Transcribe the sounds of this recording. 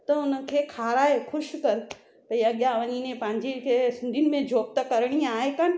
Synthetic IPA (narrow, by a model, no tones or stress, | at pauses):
t̪ɐʊnəkʰeːkʰaːɾaːexʊʃkɐɾ | pɐiɐɠjãʋɐɲiːnẽpɐ̃ɦɪ̃ɲd͡ʑikʰesɪ̃nd̪ʱinɪ̆mẽd͡ʑʱoːp̚t̪ɐkɐɾɽ̃iaːɦekɐñɪ̆